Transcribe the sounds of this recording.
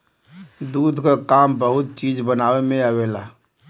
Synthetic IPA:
d̪ud̪ʱkakambəɦut̪̚t͡ʃid͡ʒbənawemẽəwela

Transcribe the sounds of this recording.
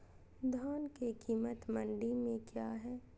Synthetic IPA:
d̪ʱɔːnkekiːmət̪mə̃ɳɖimẽkjaːɦɛː

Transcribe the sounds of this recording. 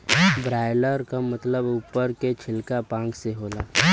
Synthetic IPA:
bɾaːjləɾkamət̪ləbuːpːəɾket͡ʃʰɪlkapãːŋkseɦoːlaː

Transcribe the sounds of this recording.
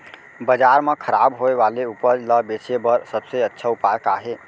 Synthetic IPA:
bəd͡ʒaːɾmãkʰəɾaːbɦoeʋaːleupəd͡ʒləbet͡ʃebəɾsəbseətːʃʰaʊpaːjəkaːɦe

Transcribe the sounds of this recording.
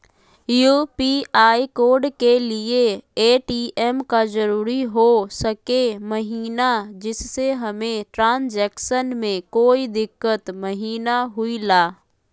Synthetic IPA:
jupiaːikoːɾɖkelieeːʈiɛmkazəɾuːɾiɦosəkeməɦiːnad͡ʒɪsːeɦɐmẽʈɾãːnd͡ʒɛːkʃənmẽkoːid̪ɪkːət̪məɦiːnaɦʊilaː

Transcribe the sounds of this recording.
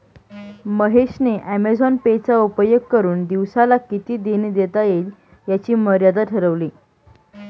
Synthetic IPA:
məɦeɕneʔæmed͡zɔnpet͡saupəjəkːəɾuːnd̪iʋsalakit̪iːd̪enid̪et̪ajel | jat͡ɕiːməɾjad̪aʈʰəɾəʋliː

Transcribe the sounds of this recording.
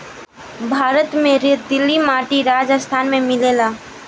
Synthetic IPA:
bʱaːɾət̪mẽɾed̪ɪlːimaːʈiɾaːd͡ʒəst̪ʰaːnmẽmɪleːlaː

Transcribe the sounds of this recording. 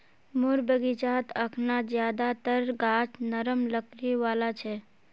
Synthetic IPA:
mʊɾbəɡit͡ʃaːt̪əkʰnad͡ʒjaːd̪at̪əɾɡaːt͡ʃnəɾəmləkɾiʋaːlat͡ʃʰɛː

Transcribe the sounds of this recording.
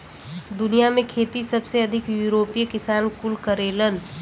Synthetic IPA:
d̪ʊnijamẽkʰeːt̪isɐbseɐd̪ʱɪkjuɾoːpikɪsaːnkʊlkəɾeːlən

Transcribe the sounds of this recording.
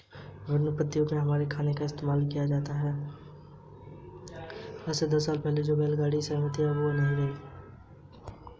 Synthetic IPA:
ɾənʊpət̪ːijõmẽɦɐmaːɾekʰaːnekaɪst̪eːmaːlkijad͡ʒaːt̪aɦɛː | ɐsed̪ɐs̬ːaːlpɛɦled͡ʒoːbɛːlɡaːɽisəːmət̪iɦɛʋonɐɦĩɡei

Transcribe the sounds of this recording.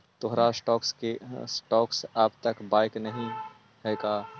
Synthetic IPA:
t̪oɦɾasʈɔːkskesʈɔːksaːbt̪ɐkbaːɪknɐɦĩ | ɦɛːkaː

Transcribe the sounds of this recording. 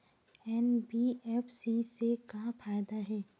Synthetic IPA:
ɛnbiɛːpʰsisekafʰaːɪd̪aɦɛː

